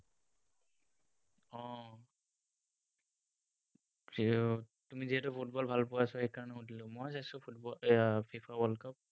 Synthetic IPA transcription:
ɔ̃ | tumiziɦɛtʊpʰut̚bɔlbʱalpʊwasɔhɛjkaɹɔnɛudilʊmɔjsajsʊbɔpʰipʰawɔlkap̚

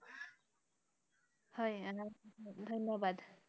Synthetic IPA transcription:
hʌj | d̪ʱʌnjʌbad̪

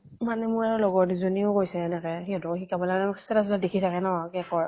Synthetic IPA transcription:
manɛmʊjaɹɔlɔɡɔɹtzoniʊkojsɛːnɛkɛxiɔtɔxikabɔlaasɛtas̬ladekʰitʰakɛnɔkɛkɔɹ

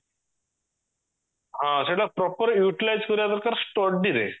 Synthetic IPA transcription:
ɦãseɡlapɾɔpəɾjuʈilajd͡zkəɾjad̪əɾkaɾsʈɔʈ̚diɾḛ

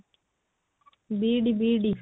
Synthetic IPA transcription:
biːɖibiːɖi

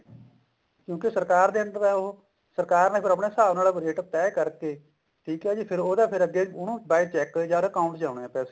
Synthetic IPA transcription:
kjõːkɪsəɾkaːɾd̪eːə̃nd̪əɾɛːo | səɾkaːɾnẽːpʰɪɾəpɳeːsaːʋnaːlaːkɾeːʈəp̚t̪ɛːkəɾkeː | ʈʰiːkɦɛːd͡ʒiːpʰɪɾoːd̪aːpʰɪɾəɡːeːʊnũːbaːit͡ʃɛːkd͡ʒãːd̪əkaːʊ̃ɳʈd͡ʒãːʊɽ̃eɛ̃ːpɛːse

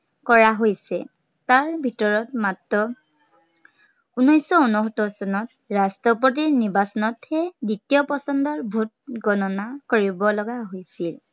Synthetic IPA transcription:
kɔɹaɦojsɛ̰ | taɹbʱitɔɹɔtmatɹɔ | unɔjsɔunɔɦɔtɔsɔnɔt | ɹastɔp̬ɔt̬iɹniɹbasɔnɔthɛditijɔpɔsɔndɔɹbʱut̚ɡɔnɔnakoɹibɔlɔɡaɦojsil

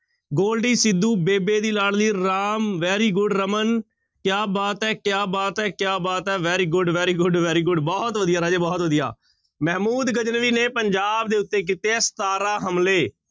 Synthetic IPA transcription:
ɡoːlɖiːsɪd̪ːuːbeːbeːd̪iːlaːlliːɾaːmʋɛːɾiːɡʊɖɾəmən | kjaːbaːt̪ɛːkjaːbaːt̪ɛːkjaːbaːt̪ɛːʋɛːɾiːɡʊɖʋɛːɾiːɡʊɖʋɛːɾiːɡʊɖbɔːt̪ʋəd̪ijaːɾaːd͡ʒeːbɔːt̪ʋəd̪ija̰ː | mɛːmuːd̪ɡəd͡ʒnʋiːneːpəɲd͡ʒaːb̚d̪eːʊt̪ːeːk̬iːt̪eɛːst̪aːɾaːɦəmleː

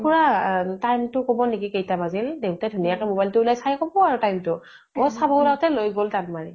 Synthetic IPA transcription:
puɹatajmtʊkobɔnekikejtabazildeʊtadʱunijakɛmobajltʊulajsajkobɔaɹʊtajmtʊ | ɔsabʱaulatɛlojɡoltanmaɹi

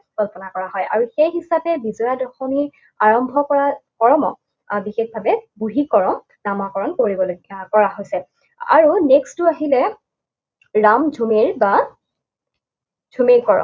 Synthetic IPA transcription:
kɔlpɔnakɔɹaɦɔjʔa̰ɹuxejɦisapɛbizɔadɔxɔni | aɹɔmbʱɔkɔɹakɔɹɔmɔ̰ | bixexbʱabɛbuɦikɔɹɔm | namakɔɹɔnkoɹibɔlkɔɹaɦojsɛ | a̰ɹunekstuaɦilɛ | ɹamd͡ʒʱumeɹba | d͡ʒʱumeɹkɔɹɔ̰

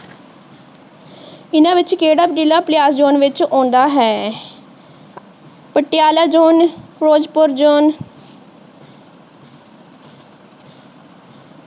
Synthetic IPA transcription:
ɪnãːʋɪt͡ʃkeːɽaːpɖɪlaːplɪjaːsd͡ʒoːnʋɪt͡ʃõːnd̪aːɦɛː | pəʈːɪjaːlaːd͡ʒoːnpɾoːd͡ʒpʊɾd͡ʒoːn

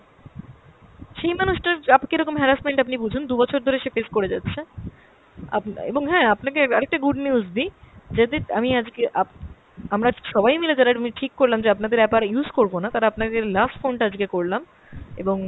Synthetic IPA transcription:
ʃejmanuʃʈaɾapkeɾɔkomɦɛɾasmeɳʈapnibud͡ʑʱund̪ubɔt͡ɕʰoɾd̪ʱoɾeʃefeskoɾed͡ʑatːɕʰe | a̰pḛboŋɦɛ̃apnakeɔɾek̚ʈaɡuɖnjuuzd̪id͡ʑed̪eamiad͡ʑɡeʔa | amɾaʃɔbajmiled͡ʑalaɾamiʈʰikːoɾlamd͡ʑeapnad̪eɾɛbaɾjuzkoɾbonat̪aɾaapnad̪eɾlasʈfonʈaad͡ʑɡekoɾlam | ḛboŋ

